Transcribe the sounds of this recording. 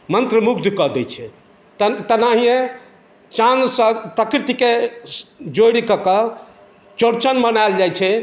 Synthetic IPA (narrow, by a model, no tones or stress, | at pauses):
mənt̪ɾəmukd̪ʱkəd̪ɛt͡ʃʰɛ | t̪t̪ənaɦijẽ | t͡ʃansəpɾəkɾit̪ike | d͡ʒoɽikəkə | t͡ʃoɾt͡ʃənmənald͡ʒajt͡ʃʰɛ